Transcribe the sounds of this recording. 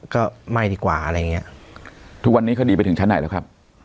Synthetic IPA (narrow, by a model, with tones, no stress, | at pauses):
kɔː˥˩ma˥˩diː˨˩kwa̰ː˨˩ʔa˧ɾa˧jːa˨˩ŋːi˦˥ɐʔt̪ʰu˦˥k̚wa˧nːi˦˥ka˥˩diː˧pa˧jt̪ɯ˩˦t͡ɕa˦˥na˨˩˦lɛ˦˥kʰa˦˥p̚